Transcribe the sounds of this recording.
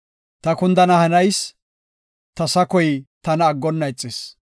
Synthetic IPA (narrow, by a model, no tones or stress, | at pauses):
t̪ɐkʊnd̪ɐnɐhɐnɐjs | t̪ɐsɐkɔjt̪ɐnɐːɡːɔnːɐɛt͡sʼːɪs